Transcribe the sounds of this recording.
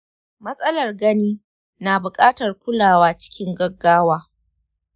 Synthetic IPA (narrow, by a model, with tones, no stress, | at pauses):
mɐ˦sʼɐ˦lɐ˨rɡɐ˦niː˦ | naː˨bʊ˨kʼaː˦tɐ˨rkʷʊ˦laː˨waː˦t͡ʃɪ̥˦kʲɪ˦ŋɡɐ˦ɡːaː˦waː˦